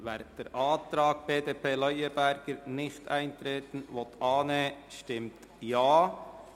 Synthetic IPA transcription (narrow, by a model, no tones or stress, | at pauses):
vɛɾd̥ɛɾʔɑːtɾɑːk̚b̥eːdeːpʰeːlœʏəbæɾɡ̥əɾnɪçtæɪntɾeːtn̩vɔt̪ʔɑːneʃtɪmt | jaː